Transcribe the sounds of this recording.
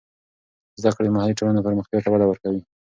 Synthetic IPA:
zd̪akɽed̪əmahaliʈolanopəɾməxt̪jɑt̪awad̪awəɾkawi

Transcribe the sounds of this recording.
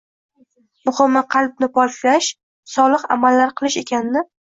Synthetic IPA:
mʊhɨmːaqʰɑlˠb̚nɪpʰɒɾt͡ʃlaʃ | sɒlˠɨχa̰malːaɾqʰɨlˠɪʃe̞kʲʰanɪnɪ

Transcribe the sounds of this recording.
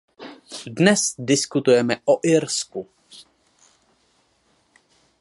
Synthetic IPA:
dnɛsdɪskut̪ujɛmɛʔoʔɪɾsku

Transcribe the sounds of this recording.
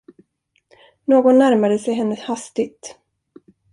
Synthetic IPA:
noːɡɔnːæɾmad̪əsɛjɦɛnːəhast̪ɪt̪

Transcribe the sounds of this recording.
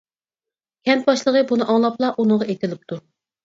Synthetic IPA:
kʲʰɛnt̪̚bɑʃlˠəʁəbunɨʔɑŋlˠɑplˠɑʔunɨŋʁɑʔet̪ɪlɪp̚t̪ʰu

